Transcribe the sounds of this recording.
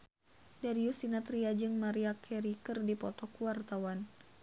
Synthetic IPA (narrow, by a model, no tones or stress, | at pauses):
daɾiusinat̪ɾiad͡ʒɨŋmaɾiakʰɛɾikərdipɔt̪ɔkuwart̪awan